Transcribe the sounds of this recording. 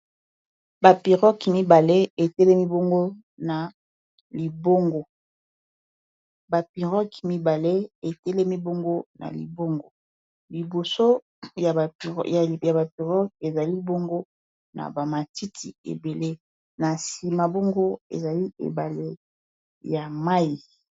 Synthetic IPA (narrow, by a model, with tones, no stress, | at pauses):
ba˨pi˨ʁɔ˦kmi˦ba˨le˦e˨tɛ˦lɛ˦mi˦bo˦ŋɡo˦ | na˨ | li˨bo˦ŋɡo˨ | ba˨pi˨ʁɔ˦kmi˦ba˨le˦e˨tɛ˦lɛ˦mi˦bo˦ŋɡo˦na̰˨lḭ˨bo˦ŋɡo˨ | li˨bo˨so˦ | ja˨a̰˨ja˨ja˨ba˨pi˨ʁɔ˦ke˨za˨li˦bo˦ŋɡo˦ | na̰˨ba˨ma˨ti˦tʰi˨ḛ˨be˨le˦ | na˨si˨ma˨bo˦ŋɡo˦ḛ˨za˨li˦ḛ˨ba˨le˦ | ja˨ma˦i˨